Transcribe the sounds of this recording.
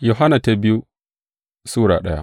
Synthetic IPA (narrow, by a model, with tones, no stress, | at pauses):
jo˨ɦa˦na˨ta˦bɪ˦ju˦ | suː˦ɾa̰ː˨ɗɐ˦ja̰˦